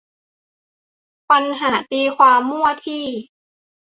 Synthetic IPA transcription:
pa˧nɦaː˩˦t̪iː˧kʰwaː˧mːu˥˩ɐət̪ʰiː˥˩

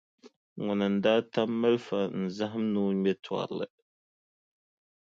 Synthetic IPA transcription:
ŋɔ˨nɨ˨n̩˨daː˦ta˦mːa˦lfa˨n̩˨za˦ɦɨ˦mnuː˦mɛ˦twa̰˨ɾlɨ̰˨

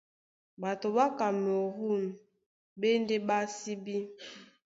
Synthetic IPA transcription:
ba˨to˨ba˦ka˨m˨o˨ɦu˦˨n˨ | be˦nde˦ba˦si˦bi˦

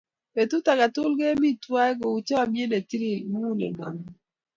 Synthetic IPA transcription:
pe˨tu˦ta˨ka˨tʊ˦lɡe˦mi˦twa˦ɡo˨u˨t͡ʃɔ˦a˨mje˦ne˨ti˦ɾi˨mu˦nḛ˨na̰˨ŋ

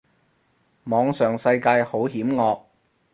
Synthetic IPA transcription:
mɔː˨˧ŋsœː˨˩ŋsɐ˧jkaː˧jho˨˥wɦiː˨˥mŋɔː˧k̚

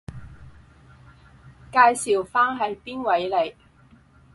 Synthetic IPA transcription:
kaː˧jsiː˨˩wfaː˥nɦɐ˨jpiː˥nwɐ˨˥jle˨j

